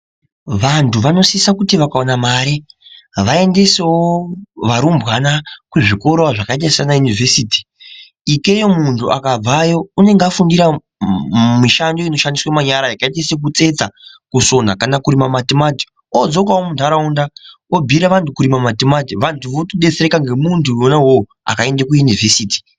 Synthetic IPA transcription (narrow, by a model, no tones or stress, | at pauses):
ʋantʰuʋano̞sisakutiʋakaonamaːɾeʋae̞nde̞se̞woʋaɾumbɣanakweʐiko̞ɾoaʐakaitassanajunive̞siːti̥ | ike̞jomuntʰuʔa̰kab͡vajo̞une̞ŋɡafundiɾa | miʃando̞ino̞ʃandiswamaɲaɾajakaetesek̬ut͡se̞t͡sakuso̞nakanakuɾimamatemati̥ | od͡zok̬wawomuntaɾaunda | obʱiɾaʋantukuɾimamatematiʋantʰuʋotoɗet͡seɾekaŋɡe̞muntʰuonaɦo | a̰kae̞ndekujunivʱe̞siːti̥